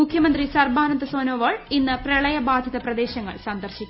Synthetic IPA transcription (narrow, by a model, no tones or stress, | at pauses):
mukʰjɐmɐnd̪risɐrbaːnɐnd̪ɐsoːnoːʋɐːɻinːɨprɐɭɐjɐbaːd̪ʱjɐðɐprɐd̪e̞ːɕɐŋːɐ̰ɭsand̪ɐrɕikʲː